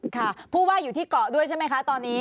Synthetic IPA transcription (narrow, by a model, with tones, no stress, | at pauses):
kʰa˥˩pʰuː˥˩waː˥˩juː˨˩t̪ʰiː˥˩kɔ˨˩du˥˩əjt͡ɕʰa˥˩ma˦˥jkʰa˦˥t̪ɔː˧nːiː˦˥